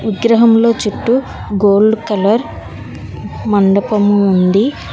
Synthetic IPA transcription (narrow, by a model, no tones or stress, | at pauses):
ʋiɡɾɐɦɐmlo̞ːt͡ʃuʈːu | ɡoːɭːukɐlɐɾ | mɐɳɖɐpɐmuːnd̪i